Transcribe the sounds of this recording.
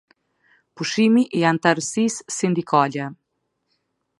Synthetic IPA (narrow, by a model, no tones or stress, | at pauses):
puʃimiʔijant̪aɾsisːind̪ikalɛ